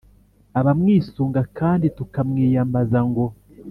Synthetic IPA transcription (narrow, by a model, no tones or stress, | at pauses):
aβamŋiːsuːŋɡakaːnditukamŋiːjambazaŋɡo̞